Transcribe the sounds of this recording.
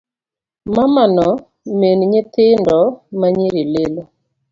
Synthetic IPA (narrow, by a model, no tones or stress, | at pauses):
mamanɔ | menɲɪt̪ɪndɔmaɲiɾilelo